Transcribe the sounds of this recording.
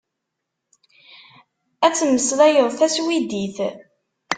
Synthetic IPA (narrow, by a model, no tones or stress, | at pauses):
æt͡sːəmːəslæjoðˤθæswid̪iθ